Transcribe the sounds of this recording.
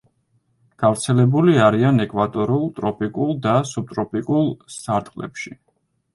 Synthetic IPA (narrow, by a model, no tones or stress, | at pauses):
ɡ̥avɾt̪sʰɛlɛbuliaɾianɛkʼvat̪ʼɔɾulˠt̪ʼɾɔpʼikʼulˠd̪asub̚t̪ʼɾɔpʼikʼulˠsaɾt̪ʼqʼlɛ̰pʃi